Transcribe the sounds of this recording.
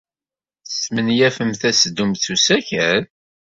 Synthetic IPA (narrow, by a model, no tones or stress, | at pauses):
smənjæfəmθæsəd̪umθusæçæɾ